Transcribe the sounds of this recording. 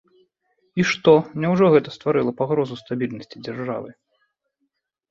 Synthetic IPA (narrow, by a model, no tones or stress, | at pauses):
iʂt̪ɔmnʲɛwʐɔɣɛt̪ɐst̪vaɾɨlˠɐpaɣɾɔzust̪abʲilʲnɐsʲt͡sʲid͡zʲarʐa̰vɨ